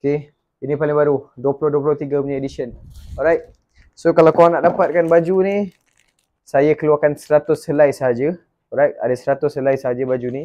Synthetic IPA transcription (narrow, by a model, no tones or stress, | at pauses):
oke | inĩpalɪŋbaɾuduəplʊhduəp̬lʊht̪iɡəpuɲãediʃənɔɾajt̚ | sokalawkawaŋnaʔdapat̪̚kanbad͡ʒuni | sajakəluakansəɾat̪ʊsəlajsəɦad͡ʒə | ɔɾajt̚a̰dasəɾat̪ʊsəlajsəɦad͡ʒəbad͡ʒuni